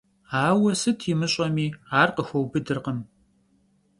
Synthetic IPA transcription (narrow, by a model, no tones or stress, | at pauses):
aːwɐsɨtʰiːmɨɕʼɐmiːaːrqəxʷɐwbɨdɨrqəm